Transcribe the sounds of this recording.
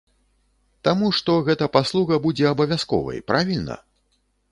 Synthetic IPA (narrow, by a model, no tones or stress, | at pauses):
t̪amuʂt̪ɔɣɛt̪ɐpaslˠuɣɐbud͡zʲɛɐbɐvʲjaskɔ̰vɐ̰jpɾavʲilʲnɐ̰